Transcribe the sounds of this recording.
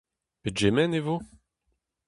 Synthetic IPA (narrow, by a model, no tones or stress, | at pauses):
ped͡ʒemɛnevo